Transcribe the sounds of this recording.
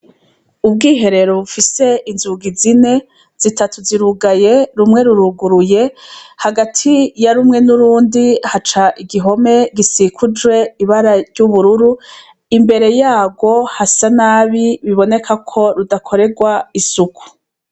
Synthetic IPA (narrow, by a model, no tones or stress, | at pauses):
ub̚ɡiːɦe̞ɾe̞ɾoβufise̞inzuɡizine̞ | z̥itʰatuziɾuɡaje̞ɾumŋe̞ɾuɾuɡuɾuje̞haɡatʰijaɾumŋe̞nuɾuːndihat͡ʃaʔiɡiɦo̞me̞ɡisikʰud͡ʒwe̞iβaɾaɾɟuβuɾuɾu | imbe̞ɾe̞jaːɡo̞hasanaːβiβiβo̞ne̞kʰakʰo̞ɾudakʰo̞ɾe̞ɡwaisuku̥